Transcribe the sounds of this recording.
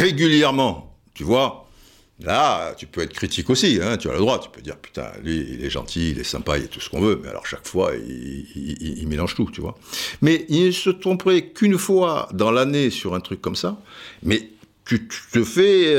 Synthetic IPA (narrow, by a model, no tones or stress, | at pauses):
ʁeɡʲyljɛʁmɑ̃ | t̪yvwa | lat̪ypøɛt̪χə̥kʰχit̪ʰikosiɛ̃t̪ya̰ləd̪ʁwat̪y̥pød̪ḭʁpy̥t̪ɛ̰̃lɥiḭlɛʒɑ̰̃t̪ʰiːlɛsɛ̰̃pailɛt̪u̥sə̥kɔ̃vømɛa̰lʔɔ̰ʁʃakfwa̰ḭ | imelɑ̃ʒt̪ut̪yvwa̰mɛilnəsət̪χɔ̃pʁɛkynfwa̰d̪ɑ̃lanesyʁɛ̃t̪χykːɔmsamɛ | t̪yt̪t̪əfɛ